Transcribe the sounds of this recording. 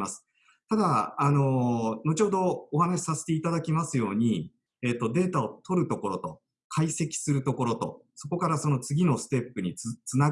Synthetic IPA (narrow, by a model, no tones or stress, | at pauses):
masɨ̥ | t̪ad̪aːno̞no̞t͡ɕo̞ːd̪o̞ːhanaɕi̥sase̞̥t̪e̞it̪ad̪akʲimasɨjo̞ːɲ̟i | e̞ːt̪ːo̞d̪e̞ːt̪ao̞t̪ʰo̞ɾɯ̟t̪o̞ko̞ɾo̞t̪o̞̰ | kʰaise̞kʲi̥sɨɾɯ̟t̪o̞ko̞ɾo̞t̪o̞̰ | so̞ko̞kaɾaso̞no̞t͡sɨɡʲino̞sɨ̥t̪e̞pːɯ̟ɲ̟it͡sɨna